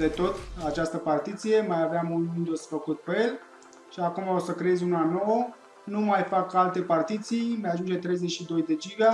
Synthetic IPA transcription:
d̪e̞t̪o̞t̪at͡ʃast̪əpart̪it̪sije̞majaveamulind̪osfəkut̪̚peel | ʃiakumaosəkɾejezʲunano̞wə | numajfakalt̪e̞part̪it̪sijmajaʒund͡ʒe̞t̪ɾejzet͡ʃʃid̪o̞jd̪e̞d͡ʒiva

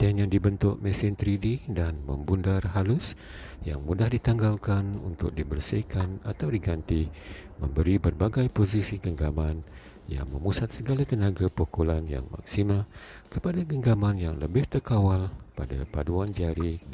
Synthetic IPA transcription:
t̪ɛnãdibənt̪ʊʔmɛsɪnt̪ɾididanmə̰̃mbundarɦalʊsja̰ŋmudahdit̪aŋɡalkanṵnt̪ʊ̰k̚dibərsihkanat̪awdiɡant̪imə̰̃mbəɾibərbaɡajpozisiɡəŋɡaman | ja̰ŋmə̃musat̪̚səɡalat̪ənaɡapokolanja̰ŋma̰ksimakəpadaɡəŋɡamanjaŋləbɪht̪ərkawalpada̰paduandiaɾi

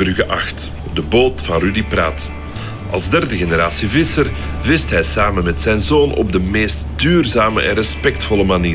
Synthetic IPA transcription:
brɵɣəʔɑxt | dəboːtfɑnrydipra̰ːt | ʔɑ̰lˠzdɛrdəɣenəɾaːsivɪsər | vɪstɦɛjsaːmənmɛtsɛjnzoːnʔɔ̰b̚dəmeːstdyːrzaːmə̰ʔɛnrɛspɛk̚tfɔləmaniː

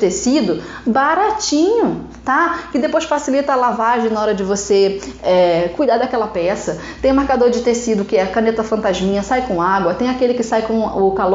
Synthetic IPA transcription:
t̪esid̪ʊ | baɾat͡ʃĩɲʊt̪akɪd̪epojʃsfasilit̪ɐːlavaʒẽj̃naɔɾɐd͡ʒɪvoseɛkujd̪ad̪ɐkɛlɐpɛsɐ | t̪ẽj̃ʊ̃meɾkad̪oɾd͡ʒɪt̪esid̪ʊkɪɛkɐ̃net̪ɐfɐ̃nt̪aʒmĩɲɐsajkõaɡwɐt̪ẽj̃akelɪkɪsajkõʊkalo

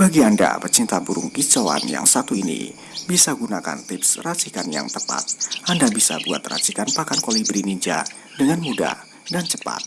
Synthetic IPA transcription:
baɡianda̰pərt͡ʃint̪abuɾʊŋkit͡ʃoa̰nja̰ŋsat̪uinḭ | bisaɡunaka̰nt̪ɪpsrat͡ʃikanja̰ŋt̪əpa̰t̪̚ʔandabisa̰bua̰t̪ra̰t͡ʃikanpakankolibɾiniɲd͡ʒa̰ | dəŋanmuda̰ | dant͡ʃəpa̰t̪̚

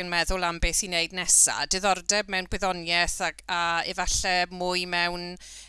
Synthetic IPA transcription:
ənmɛðʊlˠambɪθineɨdnɛsa̰d̥ɨðɔrdɛbmɛwnɡ̥wɪðɔnjɛθakaivaɬɛmʊːɨmɛwn

